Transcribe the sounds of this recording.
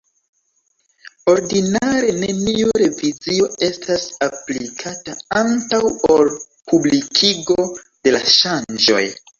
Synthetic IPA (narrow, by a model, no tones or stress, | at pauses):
o̞ɾdinaɾe̞neniuɾe̞vizio̞e̞stasaplikʰataantawol | pʰublikʰiɡo̞ | d̥e̞laʃand͡ʒo̞̰j